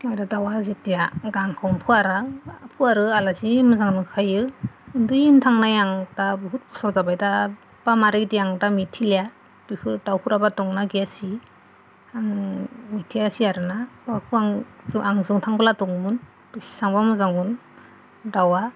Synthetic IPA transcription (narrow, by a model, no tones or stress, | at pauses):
ɔjdadawazitijaɡaŋkʰɔwmpʰɯaɾapʰuaɾɯalazimɯzaŋnɯkʰajɯɯndɯjintʰaŋnajaŋdabɦut̚pʰɔ̥sɔɾzabajda | b̥amaɾidiaŋdamitʰilija | bihʰɯɾdawkʰuɾabatɔŋnaɡiasi | aŋmitʰiasiaɾɯnabakʰɯaŋzuaŋzɯŋtʰaŋbalatɔŋmun | bisi̥saŋbamɯzaŋun | dawa